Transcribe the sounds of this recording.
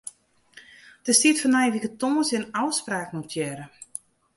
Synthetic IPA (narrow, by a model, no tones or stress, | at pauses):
d̥əstitfɔnɛjʋikətoːəsjənawspraːknutʰjɛɾə